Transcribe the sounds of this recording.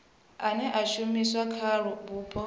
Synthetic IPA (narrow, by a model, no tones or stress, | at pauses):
anɛʔaʃumiswakʰaɺubuːpʼɔ